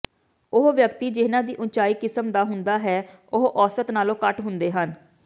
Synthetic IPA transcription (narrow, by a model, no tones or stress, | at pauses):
ʊɦʋjəkt̪iːd͡ʒɪːnãːd̪iːʔʊnt͡ʃaːiːkɪsəmd̪aːɦʊnd̪aːɦɛː | ʊɦʔɔːsət̪naːlõːkəʈɦʊnd̪eːɦən